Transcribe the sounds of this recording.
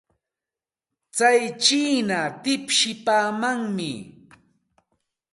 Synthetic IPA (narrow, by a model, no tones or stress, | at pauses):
t͡sajt͡ʃiːnat̪ɪpʃɪpaːmaŋmɪ̰